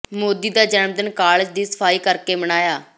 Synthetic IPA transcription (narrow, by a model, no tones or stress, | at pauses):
moːd̪iːd̪aːd͡ʒɛːnmd̪ənkaːlɪd͡ʒd̪iːsə̥pʰaːiːkəɾkeːməñaːjaː